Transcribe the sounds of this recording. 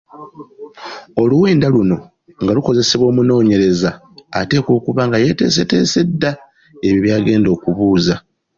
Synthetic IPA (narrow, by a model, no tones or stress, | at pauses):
o̞luwe̞ːndaluno̞ | ŋɡaluko̞ze̞seβwo̞ːmuno̞ːɲe̞ɾe̞zaː | te̞ːko̞ːkuβaŋɡaje̞te̞̰ːs̬e̞te̞̰ːse̞dːa | e̞βiβjaːɡe̞ːndo̞ːkuβuːza